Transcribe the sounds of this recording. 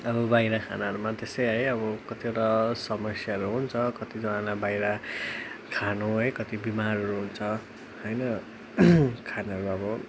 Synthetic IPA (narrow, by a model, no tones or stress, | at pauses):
ʌbʌbajɾakʰa̰naɦʌɾumat̪esʌjɦʌjʌbʌkʌt̪ieʈasʌmʌsjaʌɾuɦunt͡sʰʌkʌt̪id͡zʌãlabajɾa | kʰanoɦʌjkʌt̪ibimaɾʌɾuɦunt͡sʰʌ | ʌjnʌ | kʰanaʌɾuʌbʌ